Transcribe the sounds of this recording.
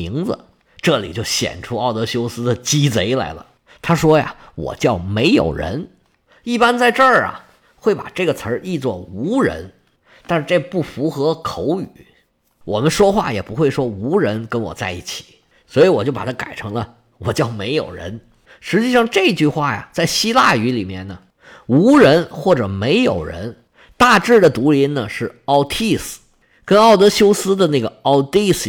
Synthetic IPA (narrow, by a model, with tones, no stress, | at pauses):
i˧˥ŋd͡z̩̰˧ | ʈ͡ʂɤ˥˩lḭ˨˩t͡ɕjo˥˩ʊɕjɛ̰˨˩nʈ͡ʂʰu˥ɑ˥˩ʊt̪ɤ˧˥ɕjo˥ʊsɹ̩˥d̪ə˨t͡ɕi˥t͡se˧˥ɪla̰˧˥ɪlə̰˧ | t̪ʰa˥ʂwɔ˥jɐ̰˨˩wɔ̰˨˩t͡ɕjɑ˥˩ʊme˧˥ɪjo̰˨˩ʊɻə̰˧˥n | i˥˩pa˥nt͡sa˥˧ɪʈ͡ʂə˞˥˩ɐ̰˨˩ | xwe˥˩ɪpa˨˩ʈ͡ʂɤ˥˩ɡə˩t͡sʰə˞˧˥ʔi˥˧t͡swɔ˥˩u˧˥ɻə̰˧˥n | t̪a˥˧nʂɻ̩˥˧ʈ͡ʂɤ˥˩ɡə˩pu˥˩fu˧˥xɤ˧˥kʰo˧˥ʊy˨˩˦ | wɔ˨˩mə˦nʂwɔ˥xwa̰˥˩jɛ˨˩pu˧˥xwe˥˩ɪʂwɔ˥u˧˥ɻə˧˥nkə˥nwɔ̰˨˩t͡sa˥˧ɪi˥˩t͡ɕʰi̥˨˩˦ | swɔ˧˥i˧˥wɔ˨˩t͡ɕjo˥˩ʊpa̰˨˩t̪ʰa˥ka̰˨˩ɪʈ͡ʂʰɤ˧˥ŋlə˧ | wɔ˨˩t͡ɕjɑ˥˩ʊme˧˥ɪjo̰˨˩ʊɻə̰˧˥n | ʂɻ̩˧˥t͡ɕi˥˧ʂɑ˥˧ŋʈ͡ʂɤ˥˧i˧˥t͡ɕy˥˧xwa̰˥˩ja̰˩t͡sa˥˩ɪɕi˥la˥˩y˧˥li˨˩mjɛ˥˩nnə˩ | u˧˥ɻə˧˥nxwɔ˥˩ʈ͡ʂɤ˨˩me˧˥ɪjo˨˩ʊɻə̰˧˥n | t̪a˥˧ʈ͡ʂɻ̩˥˩d̪ə˩t̪u˧˥li˧˥nnə˨ʂɻ̩˥˩ɑ˥ʊt̪ʰi˥˩s̩˩ | kə˥nɑ˥˩ʊt̪ɤ˧˥ɕjo˥ʊsɹ̩˥d̪ə˨na˥˩ɡə˩ɑ˥ʊt̪i˥˩s